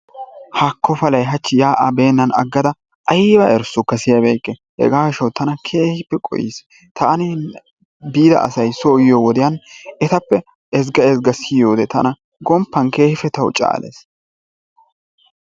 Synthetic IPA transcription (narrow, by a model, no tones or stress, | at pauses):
hakːɔfɐlɐjɦɐt͡ʃːɪjaːʔabe̞ːnːɐnɐɡːɐd̪ɐ | ʔɐjbɐʔɛɾsʊkːɐsɪjɐbɛjkʼːɛhɛ̰ɡaːkɪʃɐwt̪ːɐnɐkʰe̞ːhɪpːɛkʼɔ̰jḭs | t̪ɐːnɪ | biːd̪ɐ̰ʔɐ̰sɐjsoːjɪjowɔd̪ɪjɐnɛt̪ɐpːɛ | ɛz̬ɡɐɛzɡɐsɪjoːd̪ɛt̪ɐnɐ | ɡɔmpːɐnke̞ːhɪfɛt̪ɐwt͡ʃʼa̰ːlḛːs